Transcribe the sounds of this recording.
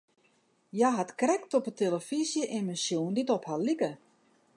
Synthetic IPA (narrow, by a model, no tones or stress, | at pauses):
jaɦatkrɛktɔpətʰeləfizjəʔɪnmənsjoːnditɔphalikə